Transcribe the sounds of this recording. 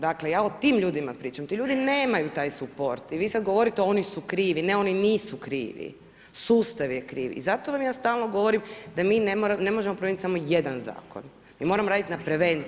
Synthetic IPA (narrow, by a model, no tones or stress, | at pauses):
d̪aklejaːot̪iːmʎuːd̪imapɾiːt͡ʃamt̪iʎuːd̪ine̞ːmajut̪aːjsupo̞ɾt̪iʋiːsad̪̚ɡo̞ʋo̞ɾit̪eo̞nisukɾiːʋine̞o̞niniːsukɾḭːʋḭ | suːst̪aʋjekɾḭːʋḭːzat̪oʋamjaːst̪aːlˠno̞ɡo̞ʋoɾimd̪amiːnemoɾane̞moʒemopɾoenit̪samo̞je̞d̪anza̰ːko̰n | miːmoɾamoɾaːd̪it̪napɾe̞ʋent̪